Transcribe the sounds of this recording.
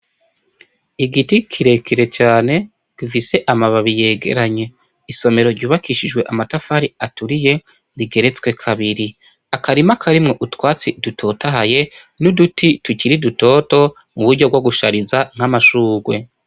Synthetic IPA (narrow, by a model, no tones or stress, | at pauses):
iɡitikʰiɾe̞kiɾe̞t͡ʃaːne̞ | ɡ̥ifise̞ʔamaβaβije̞ːɡe̞̰ɾaɲe̞ | iso̞me̞ɾo̞ɾɟuːβakiʃid͡ʒwe̞ʔamatafaɾiatuɾije̞ | ɾiɡe̞ɾe̞t͡swe̞kʰaβiɾi | akaɾimakʰaɾimŋo̞ʔutwaːt͡sidutʰo̞ːtaɦaje̞ | nudutʰituciɾiduto̞ːto̞ | muβuɾɟo̞ɡwoɡuʃaɾizaŋ̥hamaʃuːɡwe̞